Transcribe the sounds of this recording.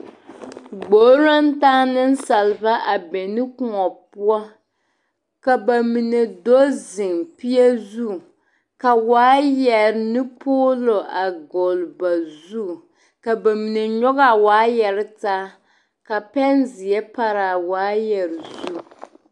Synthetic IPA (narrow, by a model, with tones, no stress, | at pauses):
ɡ͡bo˨˦ɾo˦ntaː˦nɨ˦n˦sa˨lba˦ʔa˨bɛ˨nɨ˦ku˦ŋɔ˨pu˦a˦ | ka˨ba˨mi˨ne˨do˦zɪ˨ŋpi˦ɛ˦zu˦˨ | ka˨waː˨˦jɛ˨ɾnɨ˦poː˦lo˨ʔa˨ɡo˨lba˨zu˦˨ | ka˨ba˨mi˨ne˨ɲɔ˦ɣa˨waː˨˦jɛ˨ɾɪ˦taː˦ | ka˨pɛ˦nzɪ˨jɛ˦pa˦ɾa˨waː˨˦jɛ˨ɾzu˦˨